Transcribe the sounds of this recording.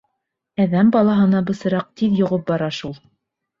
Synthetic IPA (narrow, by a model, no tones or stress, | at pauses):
æðæmbɑlˠɑɦɤ̆nɑbɤ̆sɤ̆ɾɑq̚t̪iðjŏʁɤp̚bɑɾɑʃulˠ